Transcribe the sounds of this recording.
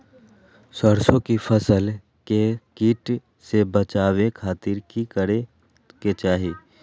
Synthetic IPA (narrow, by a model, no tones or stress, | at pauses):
səɾsõkifʰəsəl | kekiːʈ | sebət͡ʃaːwekʰaːt̪ɪɾkikəɾe | ket͡ʃaːɦiː